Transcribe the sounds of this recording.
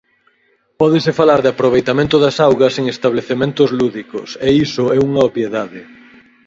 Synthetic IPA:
pɔðɪsɪfalaɾðɪapɾoβ̞ejt̪amẽnt̪ʊðɐsawɣɐseŋest̪aβleθemẽnt̪ʊzluðikʊ̰seisʊɛuŋɐopjeðaðɪ

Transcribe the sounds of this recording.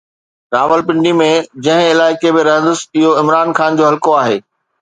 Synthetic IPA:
ɾaːʋəlpɪ̃ɳɖimẽd͡ʑɐ̃ɦɪ̃ɪlaːɪkebɪɾɐɦə̃nd̪əsɪɦoɪmɾaːnxaːnd͡ʑoːɦɐlkoaːɦeː

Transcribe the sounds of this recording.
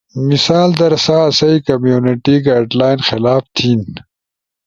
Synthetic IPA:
misaːld̪ɐɾsaːsɐikɐmjuːniʈiɡaːɖlaːjnxɪlaːft̪ʰiːn

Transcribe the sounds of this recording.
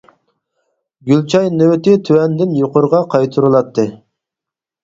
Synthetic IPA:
ɡʲylt͡ʃʰɑjnøwt̪ɪt̪ʰywɛnd̪ɪnjoqʊɾʁɑqʰɑjt̪ʰuɾulˠɑt̪ʰːɨ

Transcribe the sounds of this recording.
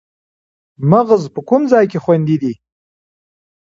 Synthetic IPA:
maɣəzpəkumzɑjkexwand̪id̪i

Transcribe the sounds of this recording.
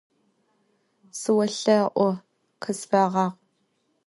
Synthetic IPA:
sɨwɐɬɐʔʷɔ | qʰəsfɐʁɑːq

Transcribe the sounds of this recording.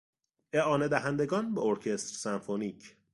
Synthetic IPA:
eʔɒːne̞d̪æɦænd̪e̞ɡɒːnbeoɾcʰe̞st̪ɾsænfoniːcʰ

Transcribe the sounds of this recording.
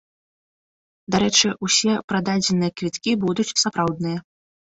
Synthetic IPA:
d̪aɾɛt͡ʂɨʔusʲɛpɾad̪ad͡zʲɛnɨjɐkvʲit̪kʲibud̪ut͡sʲsapɾawd̪nɨjɐ

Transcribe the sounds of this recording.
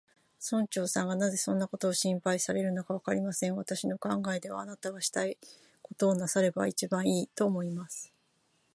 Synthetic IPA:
sõ̞ɲ̟t͡ɕo̞ːsãŋɡanaze̞sõ̞nːako̞t̪o̞ːɕĩmpaisaɾe̞ɾɯ̟nokaβakaɾʲimasẽ̞ɰ̃βat̪aɕino̞kãŋɡae̞d̪e̞βa̰ːnat̪aβaɕi̥t̪ai | ko̞t̪o̞ːnasaɾe̞ba̰it͡ɕibãɰ̃iːt̪o̞ːmo̞imasɨ̥

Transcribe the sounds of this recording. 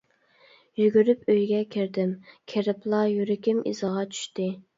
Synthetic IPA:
jyɡʲyɾypøjɡʲɛkʲʰiɾd̪ɪmkʲʰeɾɪplˠɑjyɾɪkʲɪmḭzʁɑt͡ʃʰy̥ʃt̪ɪ

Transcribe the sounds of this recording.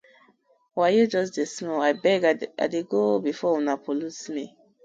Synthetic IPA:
wajud͡ʒɔsdesnoaɪbɛɡa̰deɡobifɔwunapʰolutmi

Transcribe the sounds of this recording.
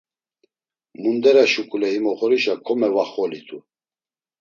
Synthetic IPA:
mund̪ɛɾaʃukʼulɛimɔχɔɾiʃakʰɔmɛvaχɔlit̪ʰʼu

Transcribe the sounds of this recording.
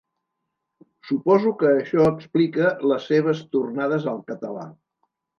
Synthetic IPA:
supɔzukəːʃɔəksplikələsːeβ̞əst̪urnaðəzəlˠkət̪əla̰

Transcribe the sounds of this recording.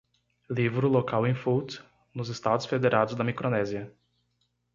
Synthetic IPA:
livɾʊlokawẽfut̪ | nʊzɪst̪ad̪ʊsfed̪eɾʔad̪ʊzd̪ɐmikɾonɛzjɐ

